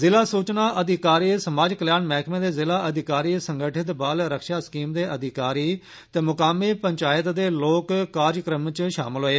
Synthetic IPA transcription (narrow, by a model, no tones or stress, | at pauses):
zɪlaːsuːt͡ʃnaːʔəd̪ɪkaːɾiːsəmaːd͡ʒkəljaːnmɛːkʰmẽːd̪eːzɪlaːʔəd̪ɪkaːɾiːsəŋɡəʈʰɪt̪baːlɾəkʃaːskiːmd̪eːʔəd̪ɪkaːɾiː | t̪ɛːmʊkaːmeːpəɲt͡ʃaːjət̪d̪eːloːkːaːɾjkɾəmt͡ʃʃa̰ːmɪlɦoːeː